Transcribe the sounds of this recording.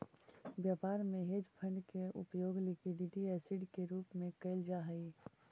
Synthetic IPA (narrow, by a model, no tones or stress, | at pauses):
bjaːpaːɾmẽɦeːd͡ʒpʰə̃ɳɖkeʊ̰pjoːɡlɪkwɪɖiʈiɛːsɪɖkeɾuːpmẽkəɪld͡ʒaːɦəi